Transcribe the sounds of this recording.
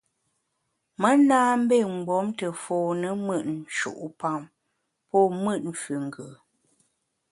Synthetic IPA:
mə˦naː˦m̩˦be˦˨ŋ͡m̩˨ɡ͡bɔ˨˦mtə˨foː˨nə˦mə˦ʔn̩˨ʃṵ˨ʔu˦pa˦˨m | pɔ˦˨mɨ˦˨t̚ɱ̩˨fʉ˨ŋ˨ɡə˨

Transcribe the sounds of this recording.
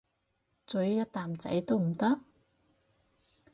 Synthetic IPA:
t͡sɵ˨˥ɥjɐ˥t̚t̪aː˨˩mt͡sɐ̰˨˥jt̪o˥wm̩˨˩t̪ɐ˥k̚

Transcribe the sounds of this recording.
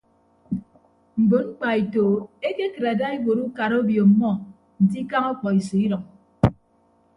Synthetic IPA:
m̩˨bo˨ŋ͡m̩˦k͡pa˨i˨to˨e˦ke˦kɨ˨ɾa˨da˦i˦bo˨ɾu˦ka˨ɾo˦bjo˨mːɔ˦ | n̩˨ti˦ka˦ŋɔ˦k͡pɔ˨i˨se˨i˦ɾɔ˨ŋ

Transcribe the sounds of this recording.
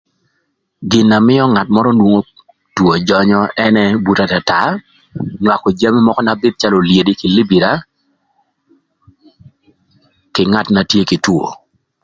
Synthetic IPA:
ɡɪ˨nːa˨mɪ˦ɔ˦ŋa˨tmɔ˦ɾɔ˦ndwo˦ŋo˦ | two˨d͡ʒɔ˦ɲɔ˦ɛ˦nɛ˦bu˨ta˨ta˨ta˨ | nwa˨ko˨d͡ʒa˦mi˦mɔ˦kɔ˦na˨bɪ˦t̚t͡ʃa˦lo˨lje˨di˦kɪ˨li˦bi˨ɾa˨˦ | kɪ˨ŋa˦˨tna˨tje˦kɪ˨two̰˨

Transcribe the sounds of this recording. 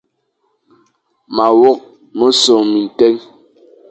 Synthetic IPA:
ma˨wɔ˦k̚ | mo˦so˨ŋmi˨n̩˨tɛ˦ŋ

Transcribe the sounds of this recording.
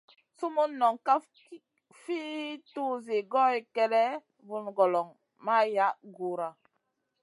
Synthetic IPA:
su˦mu˦nːɔ˨ŋka˦ | fi˦tu˦ze˨ɡɔ˦ji˨kɛ˦ɾɛ˦ | vu˨nɡɔ˨lɔ˨ŋ | ma˦ja˦ɡu˨ɾa˨

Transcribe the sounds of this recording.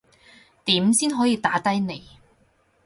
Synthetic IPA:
t̪iː˨˥msiː˥nɦɔː˨˥jiː˧t̪aː˨˥t̪ɐ˥jne˨˩j

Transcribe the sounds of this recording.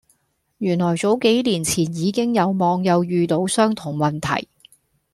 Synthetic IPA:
jyː˨˩nlɔː˨˩jt͡so˨˥wke˨˥jliː˨˩nt͡sʰiː˨˩njiː˨˧kɪ˥ŋjɐ˨˧wmɔː˨˧ŋjɐ˨˧wjyː˨˧t̪o˨˥wsœː˥ŋt̪ʰʊ˨˩ŋmɐ˨nt̪ʰɐ̰˨˩j

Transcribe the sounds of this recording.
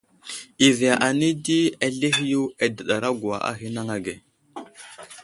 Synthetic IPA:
i˨vi˨a˨ʔa˨ni˦di˦a˨ɮe˦ɦi˦ju˦e˨də˨ɗa˨ɾa˦ɡu˨a̰˨ʔa̰˦ɦi˦na˦ŋa˨ɡe˨

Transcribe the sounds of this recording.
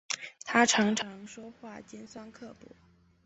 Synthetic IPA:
t̪ʰa˥ʈ͡ʂʰɑ˧˥ŋʈ͡ʂʰɑ˧˥ŋʂwɔ˥xwa˥˩t͡ɕjɛ˥nswa˥nkʰɤ˥˧pṵ˥˩

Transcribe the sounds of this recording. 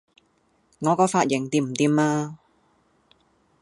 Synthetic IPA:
ŋɔː˨˧kɔː˨˧faː˧t̚jɪ˨˩ŋt̪iː˧m̩˨˩t̪iː˨˧maː˧

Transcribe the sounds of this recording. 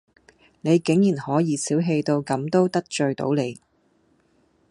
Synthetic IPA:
ne˨˧jkɪ˨˥ŋjiː˨˩nhɔː˨˥jiː˨˧siː˨˥wɦe˧jt̪o˧wkɐ˨˥mt̪o˥wt̪ɐ˥k̚t͡ʃɵ˧ɥt̪o̰˨˥wle˨˧j

